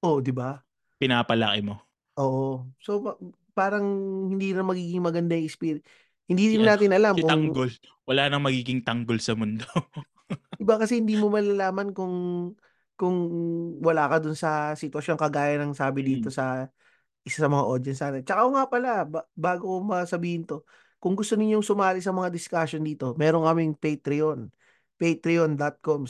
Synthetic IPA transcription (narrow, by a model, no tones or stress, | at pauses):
ʔod̪ɪba | pɪnaːpɐlɐkɪmo̞ | ʔoːʔoso̞ | paːɾɐŋhɪnd̪iːnɐŋmɐɡiːɡɪŋmɐɡɐnd̪ajɛkspiɾɪ | hɪnd̪iːɾɪnmnaːt̪ɪnʔɐlamkʊɐŋɡol | wɐlaːnɐŋmɐɡiːɡɪŋt̪ɐŋɡolsɐmʊnd̪o | d̪ɪbakɐsɛhɪnd̪iːmomɐlalaːmɐnkʊŋ | kʊŋwɐlaːkɐd̪ʊnsɐsɪt̪wɐsjo̞ŋkɐɡaːjɐnɐŋsaːbɪd̪iːt̪o̞sɐ | ʔɪsasɐmɐŋa̰ʔo̞d̪jɛnsːaːt̪ɛnt͡ʃɐkaʔoŋapɐlabbaːɡokomɐsɐbiːhɪnt̪o̞ | kʊŋɡʊst̪o̞nɪɲːoŋsʊmaːlɪsɐmɐŋad̪ɪskaʃond̪iːt̪o̞mɛːɾoŋkɐmɪŋpɛjt̪ɾɪon | pejt̪ɾɪond̪ɐt̪̚koms